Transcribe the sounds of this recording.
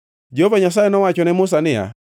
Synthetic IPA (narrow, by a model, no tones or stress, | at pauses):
d͡ʒeɦovaɲas̬aɛnɔwat͡ʃɔnɛmʊs̬anɪja̰